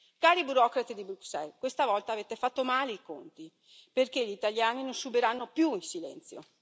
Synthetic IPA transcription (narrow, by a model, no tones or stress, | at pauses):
kaːɾibuɾɔkɾat̪id̪ibɾuksɛlkwest̪avɔlt̪aːvet̪efat̪ːomaːleikont̪i | perkeʎit̪aʎjaːninonsubeɾanːopjuinsilɛ̰nt̪sjo̰